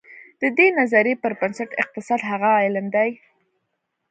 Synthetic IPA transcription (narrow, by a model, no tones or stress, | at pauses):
d̪̥əd̪enazaɾepəɾbansaʈɪ̰q̚t̪ɪsɑd̪ɦaɣaɪlmd̪aj